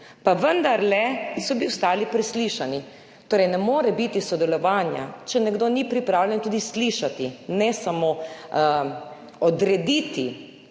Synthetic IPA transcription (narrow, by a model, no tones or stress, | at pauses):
paʋənd̪aɾlɛsɔbiʊst̪aːlipɾɛsliʃani | t̪oːɾɛjnɛmoːɾɛbit̪isɔd̪ɛlɔʋaːnja̰t͡ʃɛnɛɡd̪oːnipɾipɾaːwlʲɛnt̪uːd̪isliʃat̪inɛsamo | ɔd̪ɾɛd̪iːt̪i